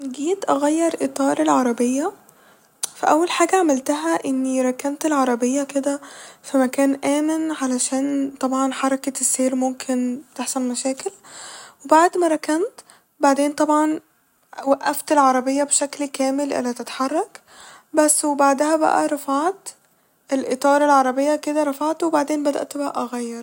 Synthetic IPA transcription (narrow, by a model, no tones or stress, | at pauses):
ɡiːd̪ʔæɣæjːɑɾˤʔet̪ˤɑːɾˤelʕɑɾˤɑbejːæ | fæʔæwːælħaːɡæʕamælt̪æɦæʔenːiɾˤɑkænt̪elʕɑɾˤɑbejːæked̪æfæmækæːnʔæːmenʕalæʃæːnt̪ˤɑbʕɑnħɑɾˤːɑket̪esːeːɾmomkʰent̪aħsænmæʃæːkelwebaʕd̪mæɾˤɑkænt̪ | baʕd̪eːnt̪ˤɑbʕɑn | wæʔːæft̪elʕɑɾˤɑbejːæbʃæklkæːmelʔḛlːæt̪et̪ħɑrˤːɑk | bæsːwebaʕd̪æhæbæ̰ʔæ̰ɾˤɑfaʕt̪ | elʔet̪ˤɑːɾˤelʕɑɾˤɑbejːæked̪æɾˤɑfaʕt̪webaʕd̪eːnbæd̪æ̰ʔt̪bæʔæ̰ʔɣæjːɑɾˤ